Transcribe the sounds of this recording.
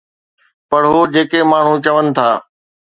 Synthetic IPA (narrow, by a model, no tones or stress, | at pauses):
pɐɽɦoːd͡ʑeːkemaːɳ̤ũt͡ɕɐʋənɪ̆t̪ʰaː